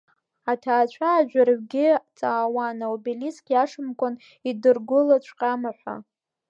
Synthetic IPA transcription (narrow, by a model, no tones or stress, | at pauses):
atʰaːt͡ɕʷʰaːʒᶣʷarɥɡʲɪt͡sʼaːwanaubiliskʲʼjaʂɨmkʷʼʊn | idɨrɡʷʊlat͡ɕʷʰqʼamaħʷa̰